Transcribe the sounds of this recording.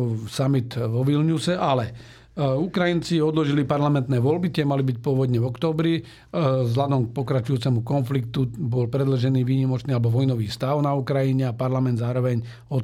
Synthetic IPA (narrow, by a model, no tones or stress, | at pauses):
samit̪ʋɔʋilɲusɛʔalɛ | ukɾajint͡siɔd̪lɔʒilipaɾlamɛnt̪nɛːʋɔlbit̪ɪɛmalibic̚pʊɔʋɔd̪ɲɛvɔkt̪ɔːbɾi | zɦlad̪ɔmk̚pɔkɾat͡ʃujuːt͡sɛmukɔnflikt̪ubɔlpɾɛd̪l̩ʒɛniːʋiːɲimɔt͡ʃniːalɛbɔʋɔjnɔʋiːst̪aʊnaukɾajiɲɛapaɾlamɛnd̪zaːɾɔʋɛɲ | ɔ